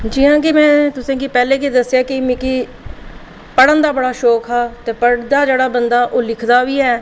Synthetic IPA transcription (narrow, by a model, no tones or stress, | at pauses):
d͡ʒɪɦãːkimɛ̃ːt̪ʊsẽːɡiːpɛːleːkiːd̪əsːjaːkɪmĩkiː | pəɽənd̪aːbəɽaːʃɔːkʰɦaːt̪eːpəɽd̪aːd͡ʒeːɽaːbənd̪aːʔoːlɪkʰd̪aːʋiːɛː